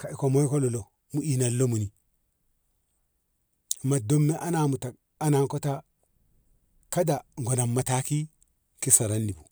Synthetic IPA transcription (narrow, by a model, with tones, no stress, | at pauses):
ka˨i˨ko˨mo˦i˦ko˦lo˨lo˨ | mu˨i˨na˨lːo˦mu˨ni˨ | ma˨do˦mːe˦ʔa˦na˨mu˨ta˨ | a˦na˨ŋko˦ta˦ | ka˦da˨ŋɡo˨na˨mːa˨ta˦ki˦ | ki˦sa˨ɾa˦nːi˨bu˨